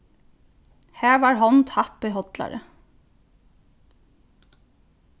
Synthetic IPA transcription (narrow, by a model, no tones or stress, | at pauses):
hæːɹʋɑːɹɦɔnt̪ʰɑpɪɦɔt̪la̰ɾə̰